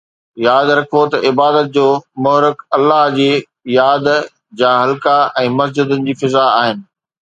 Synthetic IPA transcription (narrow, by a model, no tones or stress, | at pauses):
jaːd̪ɾɐkʰot̪ɐʔɪbaːd̪ət̪̚d͡ʑoːmʊɦɾɪkɐlːaɦd͡ʑiː | jaːd̪ | d͡ʑaːɦɐlkaɛ̃ːmɐs̬d͡ʑəd̪ənɪ̆d͡ʑiːfɪzaaːɦɪnɪ̆